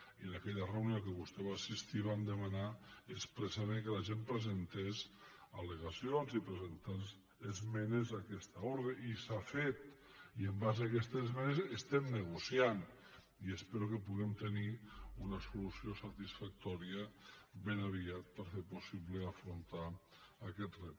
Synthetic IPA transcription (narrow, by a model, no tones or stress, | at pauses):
iənakɛʎəreunjokəβust̪ɛβaːsist̪iβand̪əmanaespɾəsaβeŋkəlaʒempɾəzənt̪ezaleɣasionzipɾəzent̪anz | ezmɛnezakɛst̪aoɾðeʔisafet̪̚ | iəmbazakɛst̪ezmɛnezest̪ɛmnəɣusian | iəspeɾukəpuɣɛmt̪əniunəsulusiosat̪isfak̚t̪ɔɾiəbenaβiat̪̚pəɾfeɾpusiβləafɾunt̪a | akɛt̪rɛp